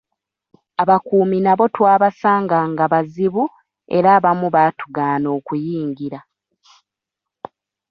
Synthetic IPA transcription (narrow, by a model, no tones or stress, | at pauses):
aβakuːminaβo̞twaːβasaːŋɡaŋɡaβaziβu | e̞̰ɾaːβamuβaːtuɡaːno̞ːkujiːŋɡiɾa